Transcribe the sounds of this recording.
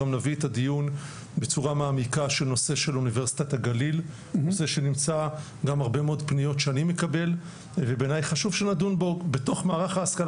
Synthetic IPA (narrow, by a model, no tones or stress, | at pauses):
amnavietadijun | bet͡suʁamaːmikaʃe̞lno̞se̞ʃe̞luniveʁsi̥t̪ataɡalil | nose̞ʃe̞nimt͡sa | ɡamaʁbe̞meodpnijo̞tʃeanimekabe̞l | vebe̞najχaʃuvʃenadunbo̞ɡbeto̞χmaːʁaχaːskal